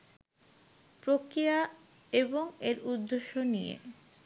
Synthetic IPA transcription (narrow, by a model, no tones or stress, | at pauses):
pɾokɾija | eboŋeɾud̪ːeʃːonijḛ